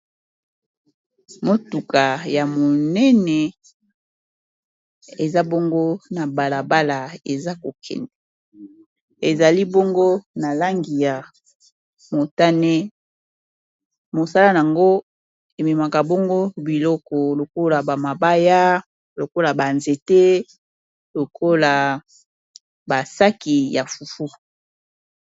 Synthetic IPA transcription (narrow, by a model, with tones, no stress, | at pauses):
mo˦tu˨ka˨ja˨mo˨nɛ˦nɛ˨ | e˨za˦bɔ˦ŋɡo˦na˨ba˨la˨ba˦la˨e˨za˦ko˨kʰɛ̰˨ndɛ˨ | e˨za˨li˦bɔ˦ŋɡo˦na˨la˦ŋɡi˨ja˨ | mo˨ta˦nɛ˦ | mo˨sa˦la˦n˨a˨ŋɡo˦ | e˨mi˨ma˨ka˨bɔ˦ŋɡo˦bi˨lɔ˦kɔ˨lo˨ko˦la˨ba˨ma˨ba˦ja˦ | lo˨ko˦la˨ba˨nze˨te˦ | lo˨kʰo˦la˨ | ba˨sa˦ki˨ja˨fu˨fu˦